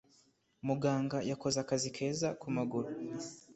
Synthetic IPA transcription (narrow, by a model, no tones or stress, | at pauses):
muɡaːŋɡajako̞zakazikʰe̞ːzakumaɡuɾu